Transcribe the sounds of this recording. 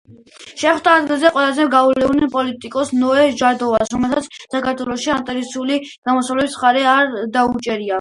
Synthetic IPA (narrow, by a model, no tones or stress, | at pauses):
ʃɛχwd̪aːd̪ɡilˠzɛqʼwɛlazɛɡaullɛunɛpʼɔlit̪ʼikʼɔsnɔɛʒaɾd̪ɔvasɾɔmɛlˠsʰat̪sʰsakʰaɾt̪ʰwɛlˠɔʃiant̪ʼɛɾisuliɡ̥amɔsavlɛbismχaɾɛaɾd̪aut͡ʃʼɛɾia